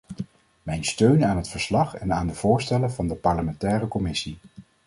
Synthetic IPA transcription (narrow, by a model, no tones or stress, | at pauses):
mɛjnstøɥnaːnɦətfəɹslɑχɛnaːndəv̥ʊːɹstɛlənvɑndəpɑɹləmɛntɛːrəkɔmɪsi